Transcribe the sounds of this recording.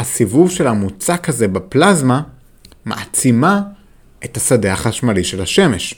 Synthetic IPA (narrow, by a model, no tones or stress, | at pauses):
hasivuvʃe̞lhamut͡sakaze̞beplazma | ma̰ʔat͡sima | ʔe̞t̪hasadeaχaʃmaliʃelhaʃe̞me̞ʃ